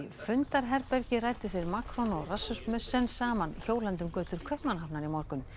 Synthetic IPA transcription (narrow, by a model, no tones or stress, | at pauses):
fʏnt̪aɾɦɛɾpɛɾcɪraːjt̪ʏθejɾmaːkɾɔnɔɣrasːʏsmœsːɛnsaːmançoːwlɛnt̪ʏmkœːt̪ʏɾ̥kʰœhpmanɦapnaɾimɔɾkʏn